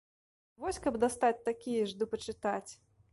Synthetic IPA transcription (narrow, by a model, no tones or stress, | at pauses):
vɔsʲkɐbd̪ast̪at͡sʲt̪akʲijɐʐd̪ɨpɐt͡ʂɨt̪at͡sʲ